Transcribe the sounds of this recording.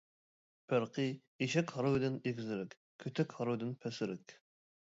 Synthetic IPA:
pʰæɾqʰɨ | iʃɛkʲhɑɾʊwd̪ɪneɡʲzɪɾɪkʲ | kʲʰøt̪ʰɛkʲhɑɾowd̪ɪnpʰɛsɪɾɪkʲ

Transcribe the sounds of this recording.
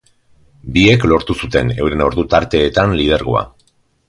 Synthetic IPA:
bie̞klo̞ɾt̪usut̪e̞ne̞wɾe̞noɾðut̪aɾt̪e̞ːt̪anlið̞e̞ɾɣo̰a̰

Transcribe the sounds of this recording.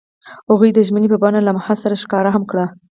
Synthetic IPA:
haɣujd̪əʒmənepəbanalamahɑlsaɾaʃkɑɾaɦamkɽa

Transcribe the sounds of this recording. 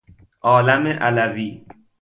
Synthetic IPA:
ʔɒːlæmeʔælæviː

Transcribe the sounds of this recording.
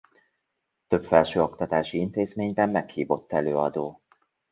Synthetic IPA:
t̪ø̞pfɛlʃøːo̞kt̪ɒt̪aːʃiint̪eːzmeːɲbɛmːɛkhiːvo̞t̪ːɛløːɒd̪oː

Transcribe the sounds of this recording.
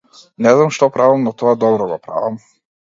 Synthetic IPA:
nɛznamʃt̪ɔpɾavamnɔt̪ɔad̪ɔbɾɔɡɔpɾa̰vam

